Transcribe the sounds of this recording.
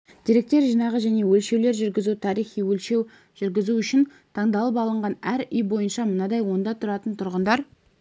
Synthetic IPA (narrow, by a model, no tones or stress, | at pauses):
d̪̥ʲijɾe̞k̚t̪e̞ɾʒijnɑʁəʒæne̞wɵlʃe̞wle̞ɾʒʏɾɡʲɪzut̪ʰɑɾijχijwɵlʃe̞w | ʒ̥ʏɾɡʲɪzuʏʃɪn | t̪ʰɑɴd̪ɑlˠəpɑlˠəɴʁɑnæɾʏjbo̞jənʃɑmənɑd̪ɑjwo̞nd̪ɑt̪ʰʊɾɑt̪ənt̪ʰʊɾʁənd̪ɑɾ